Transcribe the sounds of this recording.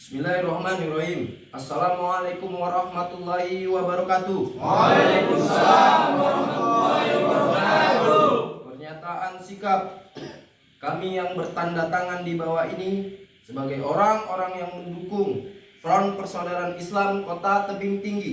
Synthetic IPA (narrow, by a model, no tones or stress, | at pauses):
bismilarɔhmanirɔɦim | asːalamalakumwaɾɑhmat̪ulːahiwabəɾɔkat̪ulakumsaahat̪ulːbaɾɔa | pərɲat̪aʔansikap̚ | kamijaŋbərt̪andat̪aŋandibawainisəbaɡajoɾaŋoɾaŋjaŋməndukʊŋtɾɔnpərsodaɾanislamkot̪at̪əbiŋt̪iŋɡi